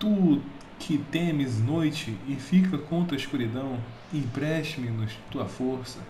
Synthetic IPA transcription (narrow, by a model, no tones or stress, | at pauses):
t̪u | kʰɪt̪ẽmɪznojt͡ʃɪɪfikɐkõt̪ɾɐiskuɾid̪ɐ̃w̃ | ĩpɾɛʃt͡ʃimɪnʊst̪uɐfoɾsɐ